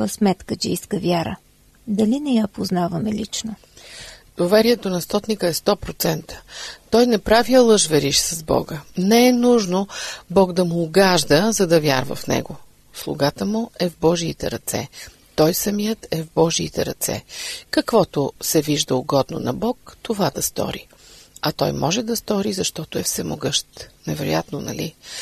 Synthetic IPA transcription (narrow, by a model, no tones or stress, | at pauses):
vəsmɛt̪kət͡ʃɛiskəvʲjaɾə̰ | d̪ɐlinɛjapoznavɐmɛlit͡ʃno | d̪̥ovɛɾiɛt̪onɐst̪ɔt̪nikəɛst̪ɔpɾot̪sɛnt̪ə̥t̪ɔjnɛpɾaviɐlˠɤʒvɛɾiʃsɐzbɔ̰ɡənɛɛnuʒnobɔɡd̪ɐmʊːɡaʒd̪əzɐd̪ɐvja̰ɾvə̰fnɛ̰ɡo | slˠʊ̰ɡat̪əmʊʔɛvbɔʒiːt̪ɛɾɐt̪sɛ̰ | t̪ɔjsɐmijət̪ɛvbɔʒiːt̪ɛɾɐt̪sɛ̰kɐkvɔt̪ʊsɛviʒd̪əʊɡɔd̪no̰nɐbɔkt̪ovad̪ɐst̪ɔ̰ɾḭ | ɐt̪ɔjmɔʒɛd̪ɐst̪ɔɾizɐʃt̪ɔt̪oɛfsɛmo̰ɡɤʃt̪nɛvɛɾo̰jat̪nonɐ̰lḭ